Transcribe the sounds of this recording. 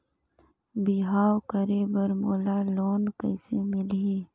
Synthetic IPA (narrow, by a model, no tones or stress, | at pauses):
biɦaːwkəɾeːbəɾmoːlaːloːnkəɪsemɪliː